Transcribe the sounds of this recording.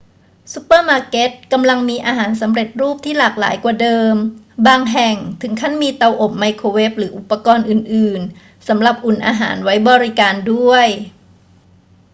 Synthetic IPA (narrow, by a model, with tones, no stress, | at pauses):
su˦˥pːəː˥˩maː˧ke˦˥t̪̚ka˧mla˧ŋmiː˧ʔaː˧ɦaː˩˦nsa˩˦mɾe˨˩t̪̚ɾuː˥˩p̚t̪ʰiː˥˩laː˨˩k̚la̰ː˩˦jkwaː˨˩dɤː˧m | baː˧ŋɦɛ˨˩ŋt̪ʰɯ˩˦ŋkʰa˥˩nmiː˧t̪a˧wʔo˨˩m̚ma˧jkʰoː˧we˦˥p̚ɾɯː˩˦ʔu˨˩pːa˧kɔː˧nʔɯː˨˩nʔɯː˨˩n | sa˩˦mɾa˨˩p̚ʔu˨˩nʔa̰ː˧ɦa̰ː˩˦nwa˦˥jbɔː˧ɾi˦˥kaː˧ndu˥˩əj